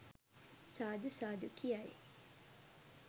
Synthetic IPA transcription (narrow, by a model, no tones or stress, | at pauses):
saːd̪usaːd̪ukʰiɐjḛ